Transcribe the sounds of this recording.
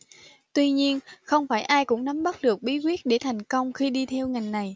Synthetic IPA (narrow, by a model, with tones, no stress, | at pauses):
t̪wi˧ɲi˧ənxə˧wŋ͡mfaː˧˩jʔaː˧jkʊ̰˧˥ŋ͡mna˨˦mɓə˦˥t̚ɗɨ˨˩ək̚ɓi˨˦kwi˦˥ət̚ɗe˧˩t̪ʰa˨˩jŋ̟kə˧wŋ͡mxi˧ɗi˧t̪ʰɛ˧wŋa˨˩jŋ̟na˨˩j